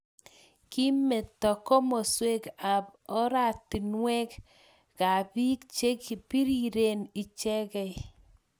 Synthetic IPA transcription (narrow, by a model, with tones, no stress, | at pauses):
ki˦me˨tːɔ˨kɔ˦mɔ˨swe˦ka˨pɔ˦ɾa˨ti˨nwɛ˦k | ka˨pi˦k̚t͡ʃe˦ki˨pi˦ɾi˨ɾe˨ni˨t͡ʃɛ˦kɛ˨j